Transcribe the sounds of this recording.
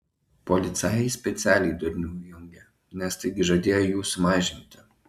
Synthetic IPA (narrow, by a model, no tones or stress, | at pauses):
pɔlʲɪt̪sɑsʲpʲɛt̪sʲæːlʲɛɪd̪ʊɾʲnʲuːjʊŋʲɡʲɛ | nʲɛst̪ɐɪɡʲɪʒɐd̪ʲeːjojuːsʊmɑːʒʲɪnʲt̪ʲɪ